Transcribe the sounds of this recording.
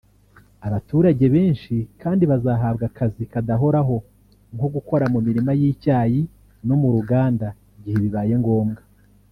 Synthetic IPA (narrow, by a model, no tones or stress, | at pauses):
aβatuːɾaɟe̞βeːnʃikaːndiβazaːɦaːbɡakazikadaɦo̞ɾaɦo̞ | ŋko̞ɡuko̞ɾamumiɾimajiːcaːji | no̞muɾuɡaːnda | iɟihe̞βiβaːje̞ŋɡo̞ːmɡa